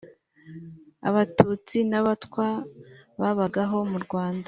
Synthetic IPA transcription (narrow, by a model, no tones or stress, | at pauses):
a̰βatuːt͡sinaβatkwaβaβaɡaɦo̞muɾɡwaːnda